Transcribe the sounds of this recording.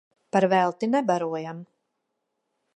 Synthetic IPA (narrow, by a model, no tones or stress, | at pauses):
paɾvɛlˠt̪inɛbaɾuɔjam